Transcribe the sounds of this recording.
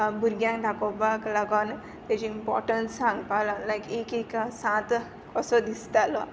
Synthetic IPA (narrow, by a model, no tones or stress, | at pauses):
bʱuɾɡjãŋkɖʱakobakləɡɔn | t̪at͡ɕiimpɔ̰ɾʈənssãŋɡpalalajkekeksãt̪ | kɔsɔd̪ist̪alɔ